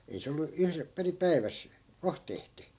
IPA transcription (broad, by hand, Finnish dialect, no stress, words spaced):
ei se olːu yhrep peri pæi̯ʋæs koh tehty